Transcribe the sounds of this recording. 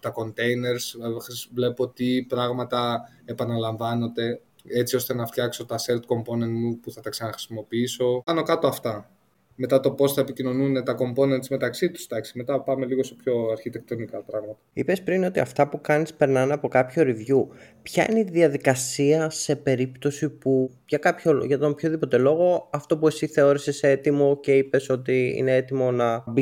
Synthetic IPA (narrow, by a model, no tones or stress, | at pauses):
t̪ɐko̞nt̪e̞jine̞ɾsxɾisvle̞pot̪ipɾɐɣmɐt̪ɐ | epɐnɐlɐɱvɐno̞nd̪e̞ | et͡sio̞st̪e̞nɐft̪çɐkso̞t̪ɐseɾt̪ko̞mponend̪mupuθɐt̪ɐksɐnɐxɾi̥simo̞piiso̞ɐno̞kɐt̪oɐft̪ɐ | me̞t̪ɐt̪o̞po̞sθɐepicino̞nune̞t̪ɐko̞mpo̞ne̞nd̪zme̞t̪ɐksit̪u̥sd̪ɐksi̥me̞t̪ɐpɐme̞liɣo̞st̪epço̞ɐɾçit̪ek̚t̪o̞nikɐpɾɐɣmɐt̪ɐḭpe̞spɾino̞t̪iɐft̪ɐpukɐnispe̞ɾnɐnɐpo̞kɐpçoɾivʝu | pçɐḭneiðiɐðikɐsiɐse̞pe̞ɾipt̪o̞sipu | ʝɐkɐpçoʝɐt̪ompço̞ðipo̞t̪e̞lo̞ɣo̞ɐft̪o̞puesiθe̞o̞ɾise̞seet̪imo̞ce̞ipe̞so̞t̪iḭne̞e̞t̪imo̞nɐbi